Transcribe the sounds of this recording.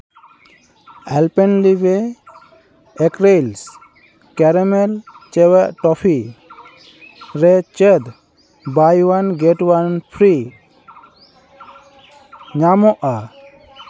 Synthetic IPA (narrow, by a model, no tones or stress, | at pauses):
ɛlpɛnlibɛ | kɾels | kɛɾɛmɛlt͡ʃɛwɛʔʈɔpʰi | ɾɛt͡ʃɛd̪ | bajwanɡɛʈwanpʰɾi | ɲamɔʔa